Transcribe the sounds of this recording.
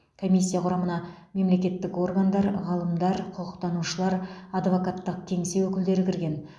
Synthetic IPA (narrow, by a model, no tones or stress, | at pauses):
kʰo̞mʲijsʲːijaqʰʊɾɑmənɑ | me̞mle̞kʲe̞t̪ːɪko̞rɡand̪ɑɾʁɑlˠəmd̪ɑɾqʰʊqəqt̪ɑnuʃəlˠɑɾɑd̪vo̞kat̪ːəq̚t̪ʲʰe̞ŋse̞wɵkʲɪld̪e̞ɾɪkʲʰɪɾɡʲe̞n